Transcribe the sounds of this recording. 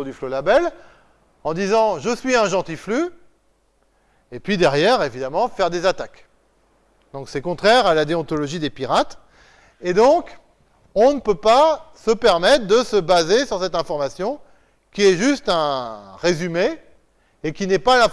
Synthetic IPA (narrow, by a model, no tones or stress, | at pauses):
d̪yflolabɛl | ɑ̃d̪izɑ̃ʒəsɥiɛ̃ʒɑ̃t̪ifly | epɥid̪ɛʁjɛʁevid̪amɑ̃fɛʁd̪ezat̪ak | d̪̥ɔ̃ksɛkɔ̃t̪χɛʁalad̪eɔ̃t̪ɔlɔʒid̪epiʁat̪ | ed̪ɔ̃k | ɔ̃nəpøpasəpɛʁmɛt̪χəd̪əsəbazesyʁsɛt̪ɛ̃fɔʁmasjɔ̃ | kʲiɛʒyst̪ɛ̃ʁezymeː | kʲinɛpala